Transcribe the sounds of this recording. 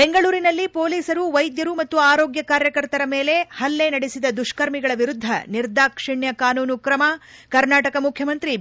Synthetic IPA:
be̞ŋɡɐɭuːɾinɐlːipo̞ːliːsɐɾuʋɐjd̪jɐɾumɐt̪ːuaːɾo̞ːɡjɐkaːɾjɐkɐɾt̪ɐɾɐme̞ːle̞hɐlːe̞nɐɽesid̪ɐd̪uʂkɐɾmiɡɐɭɐʋiɾud̪ʱːɐ̰niɾd̪aːkʂiɳjɐkaːnuːnukɾɐmɐkɐɾnaːʈɐkɐmukʰjɐmɐnt̪ɾi

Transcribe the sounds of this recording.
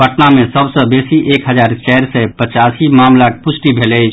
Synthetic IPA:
bəʈnamẽsəbsə̃beːsiʔeːkɦəd͡ʒaːɾt͡ʃɛɾsɛpət͡ʃaːsimaːmlak̚pʊsʈibʱeːlət͡ʃʰ

